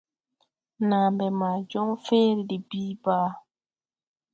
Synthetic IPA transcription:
na˨mbɛ˨ma˨d͡ʒɔ˦ŋfẽ˦ɾdi˨biː˦baː˦

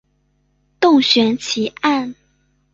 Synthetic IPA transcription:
t̪ʊ˥˩ŋɕɥɛ˧˥nt͡ɕʰi˧˥ʔa˥˩n

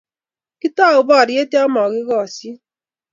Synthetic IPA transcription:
kɪ˦tɔ˦˨ʊ˨bɔ˦˨ɾje˦te˦ɔ˦mɔ˨ɣɪ˦ɣɔ˦˨si˦

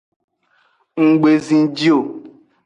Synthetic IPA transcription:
ŋ̩˨ɡ͡be˨zĩ˨d͡ʒi˦o˨

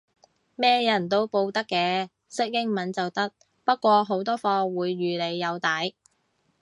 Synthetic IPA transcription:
mɛː˥jɐ˨˩nt̪o˥wpo˧wt̪ɐ˥kːɛː˧ | sɪ˥k̚jɪ˥ŋmɐ˨˥nt͡sɐ˨wt̪ɐ˥k̚ | pɐ˥t̚kːʷɔː˧ɦo˨˥wt̪ɔː˥fɔː˧wuː˨˧jːyː˨le˨˧jːɐ˨˧wt̪ɐ˨˥j

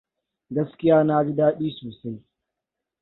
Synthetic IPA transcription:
ɡɐ˦skʲɪ˦jaː˦naː˦bi˦daː˦ɗiː˦soː˨sa˦j

